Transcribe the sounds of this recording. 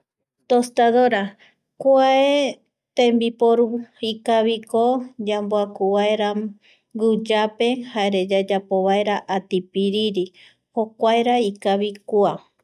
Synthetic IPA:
t̪ost̪aðoɾa | kwae | t̪ẽmbipoɾuikaβikod͡ʒamboakuβaeɾa | ɡud͡ʒape̞haeɾed͡ʒad͡ʒapoβaeɾaʔat̪ipiɾiɾi | hokʷaeɾaikaβikua

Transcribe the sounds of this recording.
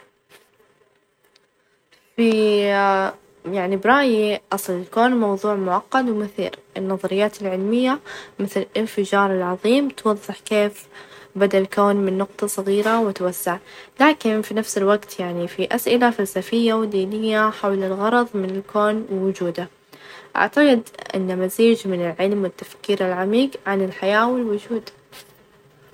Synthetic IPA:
fi | jaʕnibɾˤɑːjiʔɑsˤlɪlkoːnmɑwðˤuːʕmʊʕaqːɑd̪wmɪθḭːɾʔɪnːɑðˤɑɾɪjːaːt̪ɪlʕɪlmɪjːamɪθlɪlfɪd͡ʒɑːɾˤɪlʕɑðˤiːmt̪wɑðˤːɨħkeːfbad̪aʔlkoːnmɪnːʊqt̪ˤɑsˤɑɣiːɾawɪt̪wasːaʕlaːkɪnfinafsɪlwaɡt̪jaʕnifiʔasʔɪlafalsafɪjːawɪd̪iːnɪjːaħawlɪlɣɑɾˤɑðˤmɪnɪlkʰoːnɪwʊd͡ʒuːd̪a | ʔa̰ʕt̪aqɪd̪ʔɪ̰nːamaziːd͡ʒmɪnɪlʕɪlmwɪt̪ːafkiːɾɪlʕamiːɡʕanɪlħajaːwɪlwʊd͡ʒuːd̪

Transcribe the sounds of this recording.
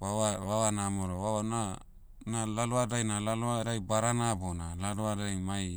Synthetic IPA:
βaβaβaβanamoɾoβaβana | nalaloadajnalaloaɾajbaɾanabonalaloadajmaj

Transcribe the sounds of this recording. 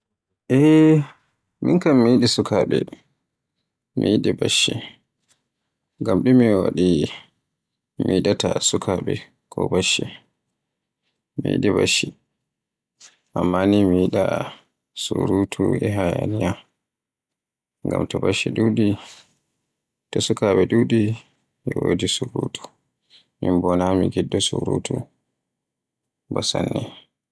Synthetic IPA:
ʔɛ | minkamːijiɗisukʰaɓɛ | mijiɗibaʃːɛ | ŋɡamɗumiwaɗi | miiɗatasukʰaɓɛ | kʰɔ̰baʃːi | mijḭɗibaʃi | ʔamːanimiiɗa | suɾutʰuɛɦajanija | ŋɡamtɔbaʃiɗuːɗi | tɔsukaɓɛɗuɗi | jɛwodisuɾuːtʰu̥ | mimbɔnamiɡidːɔsuɾṵtʰu | basanːɛ

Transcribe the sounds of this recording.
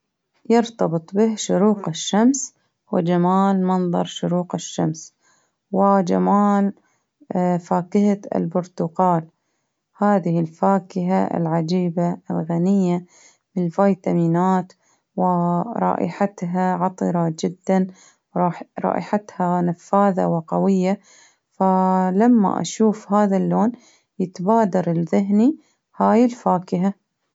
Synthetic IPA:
jɨɾt̪ɑbɨt̪ˤbɪhʃʊɾuːqɪʃːams | wɪd͡ʒamaːlmɑnðˤɑ̰ɾˤʃʊɾuːqɪʃːams | wɪd͡ʒa̰maːl | faːkɪhaɪ̰lbʊɾt̪ʊqɑːl | haːðɪhɪlfaːkɪɦa̰ɪ̰lʕad͡ʒiːbaɪlɣanɪjːa | mlfajt̪amiːnaːt̪ | wɪɾˤɑ̰ːʔɪ̰ħat̪ɦaʕɑt̪ˤɨɾˤɑd͡ʒɪd̪ːan | wɾɑːɾˤɑ̰ːʔɪħat̪hanafaːða̰wɪqɑwɪjːa | falamːa̰ʔa̰ʃuːfhaːðalːoːn | jɪt̪baːd̪ɑɾˤɪlðɪɦni | haːjɪlfaːkɪɦa

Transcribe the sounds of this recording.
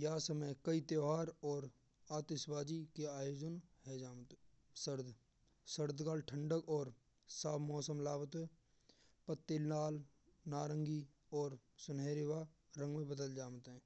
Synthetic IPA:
jaːsəməjkəit̪joːɦaːɾɔːɾ | aːt̪ɪʃwaːd͡ʒikeaːjoːd͡ʒənɦɛd͡ʒaːmt̪ː | səɾd̪ | səɾd̪kaːlʈʰə̃ɳɖəkɔːɾ | saːbmɔːsəmlaːbət̪ː | pət̪ːelnaːl | naːɾə̃ŋɡi | ɔːɾsʊnɦeːɾɪwa | ɾə̃ŋɡmẽbəd̪əld͡ʒaːmt̪ɦɛ̃ː

